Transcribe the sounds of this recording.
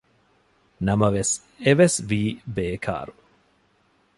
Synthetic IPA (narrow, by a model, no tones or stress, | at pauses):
nɐmɐʋes | eʋesʋiːbeːkʰa̰ːɾu